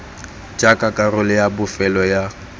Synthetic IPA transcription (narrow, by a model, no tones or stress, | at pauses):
d͡ʒʼakʼakʼarʊlɪjabʊfɛlɔja